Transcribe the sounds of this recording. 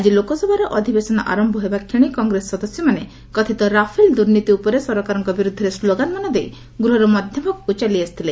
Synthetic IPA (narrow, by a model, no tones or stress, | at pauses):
ad͡ʒilokɔsɔbʱaɾɔʔɔd̪ʱibesɔnɔʔa̰ɾɔmbɔɦebakʰiɽ̃ikɔŋɡɾesːɔd̪ɔsjɔmane | kɔt̪ʰit̪ɔɾapʰeld̪uɾnit̪iupɔɾesɔɾɔkaɾɔŋkɔbiɾud̪ʱːɔɾesloɡanmanɔd̪ej | ɡɾuɦɔɾɔmɔd̪ʱjɔmɔkut͡ʃaliast̪ʰile